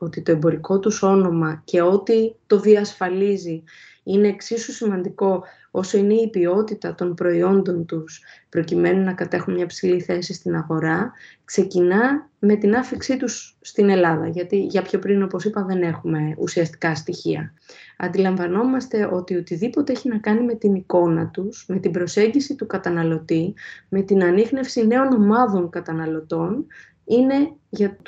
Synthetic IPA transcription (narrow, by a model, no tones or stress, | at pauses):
o̞t̪it̪o̞ebo̞ɾiko̞t̪uso̞no̞mɐce̞o̞t̪it̪o̞ðiɐsfɐlizi | ine̞ːksisusimɐnd̪iko̞ | o̞so̞ine̞ipio̞t̪it̪ɐt̪o̞npɾo̞io̞nd̪o̞nt̪uspɾo̞cime̞nunɐkɐt̪e̞xunmɲɐpsiliθe̞sist̪inɐɣo̞ɾɐkse̞cinɐme̞t̪inɐfiksit̪usːt̪ine̞lɐðɐʝɐt̪iʝɐpço̞pɾino̞po̞sipɐðe̞ne̞xume̞ṵsiɐst̪i̥kɐst̪içiɐ̰ | ɐ̰nd̪ilɐɱvɐno̞mɐst̪e̞ʔo̞t̪io̞t̪iðipo̞t̪e̞eçinɐkɐnime̞t̪iniko̞nɐt̪usme̞t̪ibɾo̞se̞ɲɟisit̪ukɐt̪ɐnɐlo̞t̪ime̞t̪inɐnixne̞fsine̞o̞no̞mɐðo̞ŋkɐt̪ɐnɐlo̞t̪o̞n | ine̞ | ʝɐ